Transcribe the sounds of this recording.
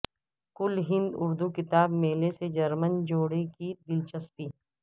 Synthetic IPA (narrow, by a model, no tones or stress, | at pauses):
kʊlɦɪ̃nd̪ʊɾd̪ukɪt̪aːbmeːlesed͡ʒɐɾmənd͡ʒoːɽekid̪ɪlt͡ʃəspiː